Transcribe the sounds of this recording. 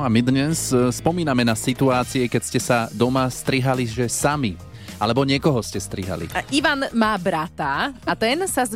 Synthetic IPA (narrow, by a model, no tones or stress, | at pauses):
amid̪ɲɛsspɔmiːnamɛnasit̪uaːt͡siɛkɛcscɛsad̪ɔmast̪ɾiɦaliʒɛsami | ʔalɛbɔɲɪɛkɔɦɔscɛst̪ɾiɦa̰lḭʔiʋanmaːbɾat̪aat̪ɛnsaz